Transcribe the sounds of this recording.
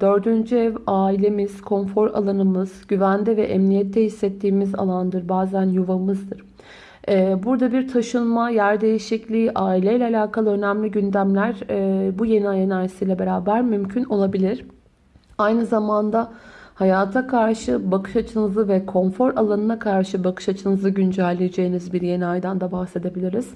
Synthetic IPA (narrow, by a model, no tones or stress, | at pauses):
d̪̥ø̞ɾd̪ynd͡ʒyɛvaːilʲe̞miz̥kʰo̞nfo̞ɾa̰lˠanɯmɯz̥ɟyvænd̪ɛvɛʔɛmnijɛt̪ʰːɛhisːɛt̪ʰːiːmiza̰lˠand̪ɯɾbaːzænjuvamɯzd̪ɯɾ̥ː | buɾd̪abiɾt̪ʰaʃɯnmajæɾd̪e̞jiʃiclʲiːʔaːilʲejlʲɛalʲaːkʰalˠɯø̞næmlʲiɟynd̪æmlʲæɾbuje̞najenajsijlʲɛbe̞ɾaːbæɾmymcʰyno̞lˠabilʲiɾ̥ | ajnɯzamand̪ahajaːt̪ʰakʰaɾʃɯbakʰɯ̥ʃat͡ʃʰɯnɯzɯvɛkʰo̞nfo̞ɾʔalˠanɯnakʰaɾʃɯbakʰɯ̥ʃat͡ʃʰɯnɯzɯɟynd͡ʒælʲːejed͡ʒe̞jinizbiɾje̞niajd̪ænd̪abahse̞d̪e̞bilʲiɾiz̥